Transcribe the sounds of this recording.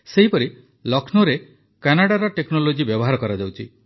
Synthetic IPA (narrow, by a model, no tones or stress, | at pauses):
seɦipɔɾi | lɔkʰnoɾe | kanaɽaɾɔʈeknolod͡ʒibjɔbɔɦaɾɔkɔɾad͡ʒawt͡ʃʰi